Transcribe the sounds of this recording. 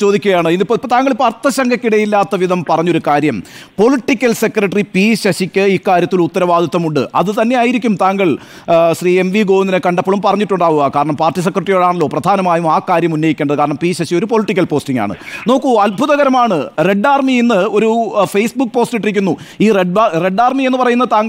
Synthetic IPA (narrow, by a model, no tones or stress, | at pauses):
t͡ɕo̞ːd̪ikʲːuɣɐjaːɳɨinːipoipːot̪aːŋɡɐɭipːoɐrt̪ːɐɕɐŋɡʰʱɐkʲːiɽɐjilːaːt̪ːɐʋiðɐmpɐrɐɲːo̞ɾukaːɾjɐmpo̞liʈːikʲːɐlse̞krɐʈripiːɕɐɕikʲːɨikːaːɾjɐt̪ːilut̪ːɐɾɐʋaːd̪ʱit̪ːɐmuɳɖɨ̰ʔɐðɨt̪ɐnːe̞jaːjiɾikʲːumt̪aːŋɡɐɭ | ɕriːe̞mʋiɡo̞ːʋnːinekɐɳɖɐpːɐɭumpɐrɐɲːiʈːuɳɖaːʋuɣaːkaːɾɐɳɐmpaːrʈːis̬ekːrɐʈrijo̞ːɭaːɳɐlːo̞ːprɐd̪ʱaːnɐmaːjumaːkaːɾjɐmunːɐjikʲːeɳɖðɨkaːɾɐɳɐmpiːɕɐɕijo̞ɾupo̞liʈːikʲːɐlpo̞ːsʈiŋɡa̰ːɳɨ̰no̞ːkːuɐlbʱuðɐɣɐɾɐmaːɳɨre̞ɖːaːrmienːɨo̞ɾufejsbuk̚ːpo̞ːstiʈ̬ːiɾikʲːunːu | iːreɖre̞ɖaːrmienːɨpɐrɐjunːɐt̪aːŋɡɐ